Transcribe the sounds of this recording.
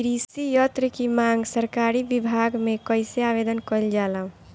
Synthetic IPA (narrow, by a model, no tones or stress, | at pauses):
ɾisijət̪ɾəkimaŋɡsəɾkaɾibibʱaɡmẽkəɪseaʋed̪ənkəld͡ʒalaũ